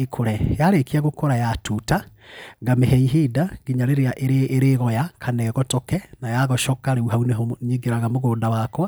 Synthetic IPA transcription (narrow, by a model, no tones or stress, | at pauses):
ekʰoɾɛjaɾekiaɣokoɾajatuta | ɡamehɛiɦidaɡiɲaɾeɾeaʔeɾeʔeɾeɣɔjakʰanɛɣɔtokɛnajaɣɔʃɔkaɾeuɦauneɦoɲeɡeɾaɣamoɣoːndawakwa